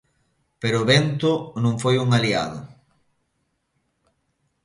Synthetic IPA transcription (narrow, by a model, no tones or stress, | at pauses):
peɾʊːβent̪ʊnũŋfojuŋalia̰ðʊ